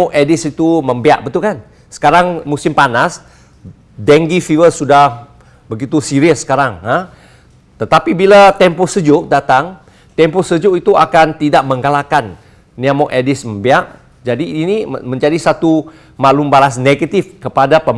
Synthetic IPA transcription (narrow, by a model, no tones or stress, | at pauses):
ɔʔɛdisit̪uməmbia̰ʔ̚bət̪ukan | sə̥kaɾaŋmusɪmpanas | dɛŋɡifivəsudah | bəɡit̪usiɾiəsːə̥kaɾaŋə | t̪ət̪apibilat̪ɛmposəd͡ʒʊʔ̚dat̪aŋ | t̪ɛmposəd͡ʒʊʔit̪uakant̪idaʔ̚mə̃ŋɡalakanː | ĩamɔʔɛdɪsmə̃mbiaʔ | d͡ʒadiːnimə̃ɲd͡ʒadisat̪u | malumbaɾas̬neɡət̪ifkəpadapə